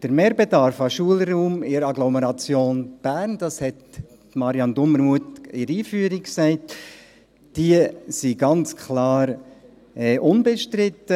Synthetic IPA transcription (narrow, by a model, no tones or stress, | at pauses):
d̥əɾmeːɾbɛdɑɾfɑʃuəlɾuːmɪɾɑɡlɔmɛɾɑt͡sjoːnb̥æːɾnd̥ɑshɛt | tmɑɾjɑndʊməɾmuətɪɾiːfyəɾiksɛɪt | d̥iəsiɡɑnt͡skʰlɑːɾ | ɛʔʊnbɛʃtɾɪtːə